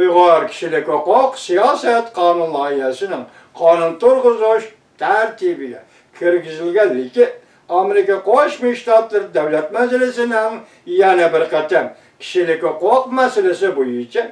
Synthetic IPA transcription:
ʊjʁɑɾkʲʰɪ̥ʃɪlɪkʲɪqoqsijɑsæt̪qʰɑnʊnlˠɑhɪɦæsɪnɪŋ | qʰɑnʊnt̪ʊɾʁʊzʊʃ | t̪ʰæɾt̪ʰibɪɡʲɛ̰ | kʲʰɪɾɡʲɪzɪlɡʲænlɪkʲɪ | ɑmeɾɪkʲɑqʰoʃmiʃt̪ɑt̪lɪɾd̪æwlæt̪mæzɪlɪsɪnɪŋ | jænæbɪɾqʰɑt̪am | kʲʰɪ̥ʃɪlɪkʲɪqoqmæsalɪsɪbojʊt͡ʃʰa

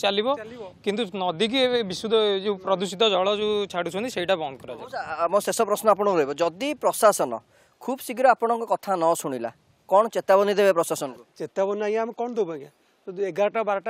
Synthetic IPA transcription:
t͡ʃalibɔkint̪unɔd̪ik̬ieebisud̪ʱɔd͡ʒupɾɔd̪usit̪ɔd͡ʒɔɭɔd͡ʒut͡ʃʰaɽusʰɔ̃nt̪iseiʈabɔnkɔɾad͡ʒaamosesɔpɾɔsnɔapɔɽ̃ɔɾɔɦibɔd͡ʒɔd̪ipɾɔsasɔnɔ̰ | kʰubɔsikiɾɔapɔɽ̃ɔŋkɔkɔt̪ʰanɔsuɽ̃ila̰ | kɔɽ̃ɔt͡ʃet̪abɔnid̪ebepɾɔsasɔnɔkut͡ʃet̪abɔnajaamekɔɳ̃ɔd̪obɔkã | seɡaɾɔʈabaɾɔʈa

